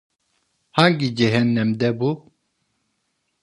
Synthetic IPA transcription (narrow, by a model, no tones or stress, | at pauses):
haŋɡid͡ʒɛɦɛnːɛmd̪ɛbu